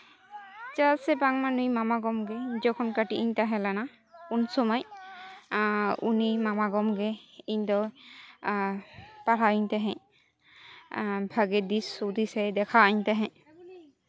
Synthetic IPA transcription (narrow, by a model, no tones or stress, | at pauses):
t͡ʃasɛbaŋmanujmamaɡɔmɡɛd͡ʒɔkʰɔnkaʈiʔiɲt̪aɦɛ̃lana | unsɔmɔj | unimamaɡɔmɡɛiɲd̪ɔ | paɾaɲt̪ɛɦɛ̃ | bʱaɡɛd̪isud̪isɛd̪ɛkʰaɲt̪ɛɦɛ̃